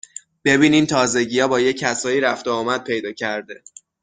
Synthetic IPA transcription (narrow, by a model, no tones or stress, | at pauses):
b̥e̞biːniːmt̪ʰɒːze̞ɟiːjɒːbɒːje̞cʰːæsɒːjiːɾæft̪oːmæd̪̥̚pʰe̞jd̪ɒːcʰæɾd̪e̞